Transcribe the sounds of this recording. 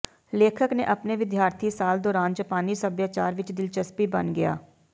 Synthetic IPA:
leːkʰəknḛːʔəpneːʋɪd̪jaːɾt̪ʰisaːld̪oːɾãːnd͡ʒəpaːniːsəbjaːt͡ʃa̰ːɾʋɪt͡ʃd̪ɪlt͡ʃəspiːbənɡɪja̰ː

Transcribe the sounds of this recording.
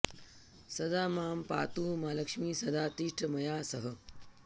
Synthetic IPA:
sɐd̪aːmaːmpa̰ːt̪uːmaːlɐkʂmiːsɐd̪aːt̪iʂʈɐmɐjaːsɐɦɐ

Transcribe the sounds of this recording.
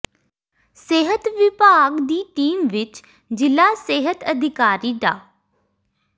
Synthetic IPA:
seːɦət̪ʋɪpaːɡd̪iːʈiːmʋɪt͡ʃ | d͡ʒɪlaseːɦət̪əd̪ʱɪkaːɾiːd̪a̰ː

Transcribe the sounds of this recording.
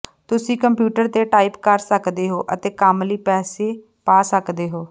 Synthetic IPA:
t̪ʊsĩːkəmpjuːʈəɾt̪eːʈaːipkəɾsəkd̪eːɦoːʔət̪eːkaːmliːpɛːseː | paːsəkd̪eːɦoː

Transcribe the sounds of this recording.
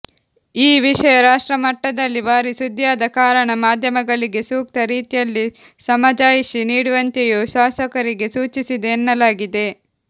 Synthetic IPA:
iːʋiʂɐjɐɾaːʂʈɾɐmɐʈːɐd̪ɐlːibaːɾisud̪jaːd̪ɐkaːɾɐɳɐmaːd̪ʱjɐmɐɡɐɭiɡe̞suːk̚t̪ɐɾiːt̪ijɐlːi | sɐmɐd͡ʒaːjisiniːɽuʋɐnt̪ejuʃaːsɐkɐɾiɡe̞suːt͡ʃisid̪eːnːɐlaːɡid̪e̞

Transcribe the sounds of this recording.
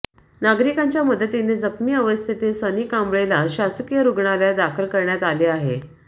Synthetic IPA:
naɡɾikaɲt͡ɕjaməd̪ʱːət̪ined͡zəkmiːəʋəst̪ʰit̪esʋəniːkãmbɭelaɕaskijəɾuɡɳaljad̪akʰəlkəɾɳjat̪aleaɦḛ

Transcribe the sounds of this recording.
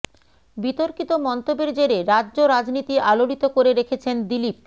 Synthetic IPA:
bit̪oɾkit̪omɔnt̪obeɾd͡ʑeɾeɾaʑoɾad͡ʑnit̪iʔalolit̪okoɾeɾekʰet͡ɕʰend̪ilip̚

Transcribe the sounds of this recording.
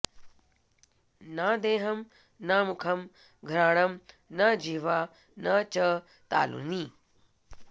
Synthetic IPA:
naːd̪eːɦɐm | naːmukʰɐm | ɡʱɾaːɽɐm | nɐd͡ʒiːʋaː | nɐt͡ʃɐ | t̪a̰ːlṵni

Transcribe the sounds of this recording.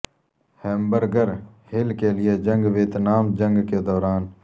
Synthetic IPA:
hɛ̃ːmbəɾɡəɾ | hɪlkelɪjed͡ʒə̃ŋɡʋeːt̪naːmd͡ʒə̃ŋɡked̪ɔːɾaːn

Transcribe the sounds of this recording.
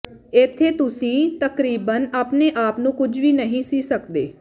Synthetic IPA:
ɪt̪ʰːeːt̪ʊsĩːt̪əkɾiːbənaːpneːʔaːpnũːkʊd͡ʒʋiːnəɦĩːsiːsəkd̪eː

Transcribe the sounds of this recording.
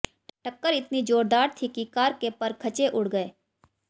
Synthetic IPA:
ʈɐkːəɾɪt̪nid͡ʒoːɾd̪aːɾt̪ʰikikaːɾkepɐɾkʰɐt͡ʃeʔʊɽ̤ɡəeː

